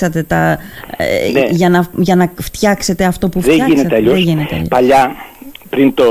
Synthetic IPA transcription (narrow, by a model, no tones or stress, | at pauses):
sɐt̪e̞t̪ɐ̰ | neʝɐnɐʝɐnɐft̪çɐkse̞t̪e̞ɐft̪o̞pufðeinet̪eɐʎoeʝinet̪eɐ̰ʎopɐʎɐpɾint̪o